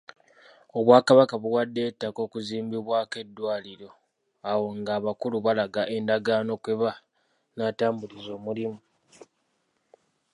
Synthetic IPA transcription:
o̞βwaːkaβakaβuwadːe̞ːtːako̞ːkuziːmbiβwaːke̞dːwaːliɾo̞ | awo̞ŋɡaːβakuluβalaɡaʔendaɡaːno̞kwe̞βa | naːtaːmbulizo̞ːmulimu

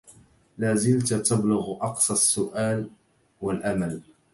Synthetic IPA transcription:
laːzɪlt̪at̪ablʊɣʔɑqsˤɑsːʊʔaːl | walʔamal

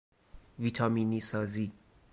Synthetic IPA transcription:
vitʰaminisazi

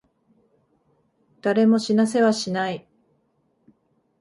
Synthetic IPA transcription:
d̪̥aɾe̞mo̞ɕinas̬e̞βaɕinai

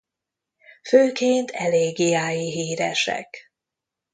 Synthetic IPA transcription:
føːkeːnt̪ʰɛleːɡiaːjiɦiːɾɛ̰ʃɛ̰k

